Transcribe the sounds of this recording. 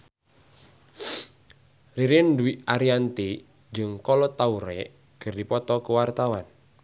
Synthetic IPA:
riɾɪnduwiʔaɾiant̪i | d͡ʒəŋkɔlɔt̪auɾɛʔ | ɡ̥ə̤rdipɔt̪ɔkəwart̪awan

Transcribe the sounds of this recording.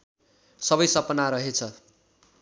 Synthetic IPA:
sʌbʌjsʌpʌnaɾʌɦet͡sʰʌ

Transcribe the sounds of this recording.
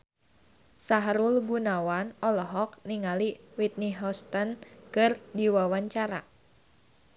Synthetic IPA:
saɦaɾulɡunawanɔlɔɦɔk̚niŋaliwit̪̚niɦɔst̪ənkɨrdiwawaɲt͡ʃaɾa̰

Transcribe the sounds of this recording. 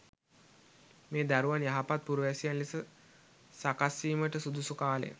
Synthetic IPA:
meːd̪æɾuʋanjaɦapat̪̚puɾuʋæsijanlisə | sakasːiːməʈəsud̪usukaːlḛj̰

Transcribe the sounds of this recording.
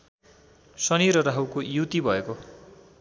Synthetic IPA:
sʌniɾʌɾaɦuwkojuwt̪ibʱʌeko

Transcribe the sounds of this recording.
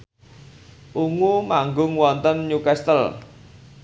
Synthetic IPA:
ʔuŋumaŋɡʊŋwɔnt̪ənɲukɛst̪əl

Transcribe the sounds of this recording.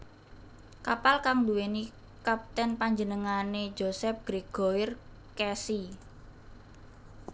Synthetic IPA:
kapalkaŋduweni | kap̚t̪ɛnpaɲd͡ʒənəŋane̥d͡ʒosɛp̚ɡ̥ɾeɡ̥oir | kɛsi

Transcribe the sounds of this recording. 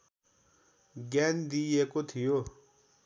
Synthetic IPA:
ɡɛːnd̪iekot̪ʰijo

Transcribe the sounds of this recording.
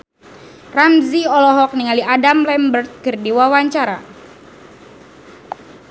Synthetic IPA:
ramziɔlɔɦɔk̚niŋaliadamlɛmbərt̪̚kɨrdiwawaɲt͡ʃaɾa̰

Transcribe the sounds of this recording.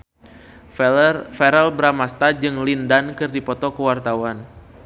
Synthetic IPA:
fɛɾɛlbɾamast̪ad͡ʒɨŋlindankɨrdipɔt̪ɔkəwart̪awan

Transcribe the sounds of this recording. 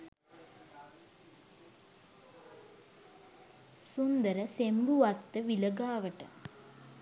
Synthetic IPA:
sund̪əɾəsemluʋɐt̪ːəʋilɐɡaːʋəʈə̰

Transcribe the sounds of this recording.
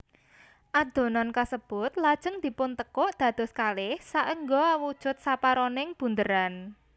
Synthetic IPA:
ʔad̪̥o̤nɔnkasəb̥ʊt̪lad̥ʒ̥ə̤ŋd̪̥i̤pʊnt̪əkɔʔd̪̥ä̤d̪̥ɔ̤skalɪhsaʔəŋɡɔawud̥ʒ̥ʊ̤t̪̚sapaɾɔnɪŋb̥ṳnd̪əɾan

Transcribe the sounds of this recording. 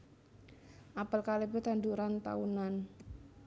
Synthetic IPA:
ʔapəlkalebʊt̪and̪uɾant̪a̰unan

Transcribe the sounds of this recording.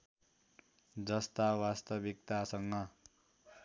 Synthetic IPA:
d͡zʌst̪awast̪ʌbik̚t̪asʌŋːʌ

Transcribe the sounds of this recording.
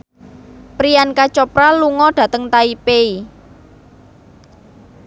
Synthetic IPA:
pɾijankat͡ʃɔpɾaluŋɔɖ̥ä̤t̪əŋt̪aipei

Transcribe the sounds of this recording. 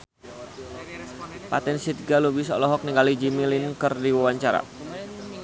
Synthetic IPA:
pa̰t̪ɛnsit̪ɡalubisɔ̰lɔɦɔk̚niŋɡalid͡ʒimilinkərdiwawaɲt͡ʃaɾa̰

